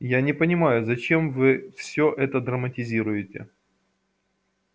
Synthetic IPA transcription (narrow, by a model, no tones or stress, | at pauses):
janʲɪpənʲɪmajʊzɐt͡ɕe̞mvɨfsʲoʔɛt̪əd̪ɾəmətʲɪzʲiɾʊjɪtʲɪ̰